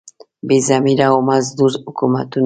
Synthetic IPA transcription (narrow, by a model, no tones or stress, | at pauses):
bizamiɾaomazd̪uɾukumat̪un